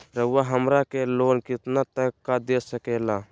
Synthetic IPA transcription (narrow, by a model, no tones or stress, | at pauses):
ɾəwaɦəmɾakeloːnkɪt̪nat̪əkːad̪eːsəkeːla